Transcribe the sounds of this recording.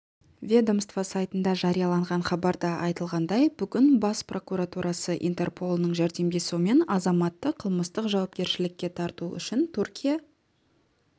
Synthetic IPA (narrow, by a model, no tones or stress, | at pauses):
vʲed̪omst̪vasajt̪ənd̪ɑʒɑɾijɑlˠɑɴʁɑɴχɑbɑɾd̪ɑɑjt̪əlˠʁɑnd̪ɑjb̥ʏɡʲɪnbɑspro̞kuɾat̪uɾʔɑsəʔḭnt̪e̞rpʰo̞lˠənəɴʒæɾd̪e̞md̪ʲe̞sume̞nɑzɑmɑt̪ːəqʰəlˠməst̪əqʒɑwɑpkʲe̞ɾʃɪlɪkʲːe̞t̪ʰɑɾt̪uʏ̰ʃɪnt̪ʰʉrkʲija